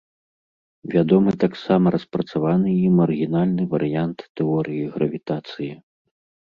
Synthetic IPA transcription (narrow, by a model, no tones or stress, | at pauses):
vʲad̪ɔmɨt̪aksamɐɾɐspɾɐt̪savanɨjimːɐrɣʲinalʲnɨvɐɾɨjant̪ːɛɔɾɨjiɣɾɐvʲit̪at̪sɨji